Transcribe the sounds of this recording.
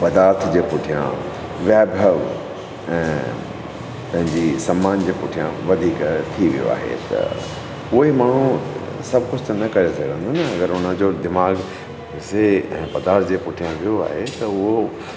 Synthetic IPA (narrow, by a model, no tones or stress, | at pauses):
pɐd̪aːɾt̪ʰd͡ʑeːpʊʈʰijã̰ | ʋjaːbʱəʋ | ɛ̃ː | p̪ɐ̃ɦɪ̃ɲd͡ʑisɐmːaːnd͡ʑeːpʊʈʰijã̰ʋɐd̪ʱiːkt̪ʰiʋḭjo̰a̰ːɦḛt̪ɐ̰ | ʊɦimaːɳ̤ũ | sɐbʱkʊd͡ʑʰt̪ɐnɐkɐɾesɐɡʱə̃nd̪onɐɐɡəɾʊnə̆d͡ʑoːd̪ɪmaːɡ | seɛ̰̃ːpɐd̪aːɾt̪ʰd͡ʑeːpʊʈʰijãʋijoa̰ːɦet̪ɐʊɦo